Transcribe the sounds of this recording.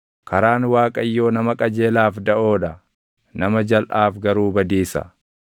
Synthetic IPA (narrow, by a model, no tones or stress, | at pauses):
kɐɾaːnwaːkʼɐjːo̞ːnɐmɐkʼɐd͡ʒe̞ːlaːfd̪ɐʔo̞ːᶑɐ | nɐmɐd͡ʒɐlʔaːfɡɐɾuːbɐd̪iːsɐ̰